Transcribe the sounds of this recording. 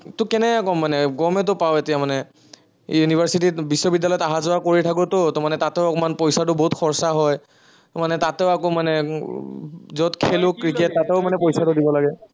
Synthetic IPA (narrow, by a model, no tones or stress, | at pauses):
tʊkɛnɛkakɔmːanɛɡɔmɛt̬ʊpawetijamanɛ | junibʱaɹsititbisːɔbidːalɔjɔtaɦazɔakoɹitʰak̬ʊtʊtɔmanɛtatɛʊɔkɔmanpɔjsatʊboɦutxʰɔɹsaɦɔj | tmanɛtatɛʊakomanɛ | zɔtkʰelʊkːɹiketːatɛʊmanɛpɔjsatʊdibɔlaɡɛ